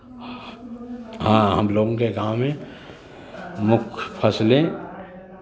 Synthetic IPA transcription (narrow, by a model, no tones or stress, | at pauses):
ɦãːɦəmloːɡõkeɡaːmːẽ | mʊkʰpʰəsle